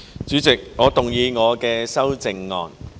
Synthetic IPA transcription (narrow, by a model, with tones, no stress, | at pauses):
t͡ʃyː˨˥t͡sɪ˨k̚ŋɔː˨˧t̪ʊ˨˩ŋjiː˨˧ŋɔː˨˧kɛː˧sɐ˥wt͡sɪ˨ŋːɔ̰ː˨n